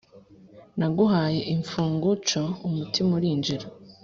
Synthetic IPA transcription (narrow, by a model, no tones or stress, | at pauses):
naɡuɦaːje̞ʔiɱfuːŋɡut͡ʃoumutimuɾiːnd͡ʒiɾo